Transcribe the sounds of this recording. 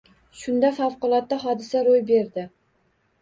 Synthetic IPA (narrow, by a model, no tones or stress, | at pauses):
ʃʊnd̪afawqʊlˠɒt̪ːaɦɒd̪ɪsaɾojbe̞ɾd̪ɪ